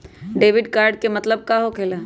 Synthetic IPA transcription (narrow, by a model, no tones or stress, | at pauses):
ɖeːʋɪɖkaːɾɖ̚kemɐt̪ləb̚kaɦokʰeːlaː